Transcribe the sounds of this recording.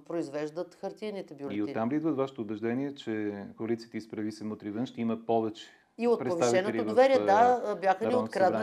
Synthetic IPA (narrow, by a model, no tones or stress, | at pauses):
pɾoizvɛʒd̪ət̪xɐɾt̪iɾnit̪ɛbjoliot̪ːamlid̪vət̪vaʃɪ̥t̪oʊbɛʒd̪ɛniɛt͡ʃɛkoɐlit̪siət̪ispɾɐvisəmot̪ɾivənʃt̪ɛiməpɔvɛt͡ʃɛ̥ | iot̪pɾɛt̪sviʃaviɛnoɛioovɛɾiɛd̪abʲjaxəniokɾaz